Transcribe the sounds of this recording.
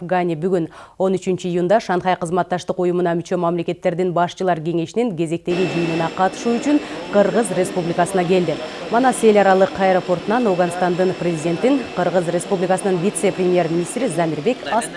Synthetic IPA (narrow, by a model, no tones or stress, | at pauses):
ɡanʲibyɡyno̞nyt͡ʃynt͡ʃiijund̪ɑʃɑnχɑjqəzmɑt̪ːɑʃt̪ɯqujumunɑmyt͡ʃø̞mɑmle̞ke̞t̪ːe̞ɾd̪inbɑʃt͡ʃɯlˠɑɾkʲe̞ŋe̞ʃiniŋkʲʰe̞ze̞k̚t̪e̞ɡʲid͡ʒijnunɑqʰɑt̪ɯ̥ʃuːyt͡ʃyɴqʰɨɾʁəzrʲe̞spublʲikɑsənɑkʲe̞ld̪ɪ | mɑnɑse̞lʲɑɾɑlˠəqʰɑjɾopo̞rt̪unɑnoʁɑnst̪ɑnd̪ɯnprʲezʲidʲe̞nt̪iɴqʰɯɾʁəzrʲe̞spublʲikasənɯnvʲit̪seprʲemʲje̞rmʲinʲist̪ɾizɑmiɾbe̞kɑs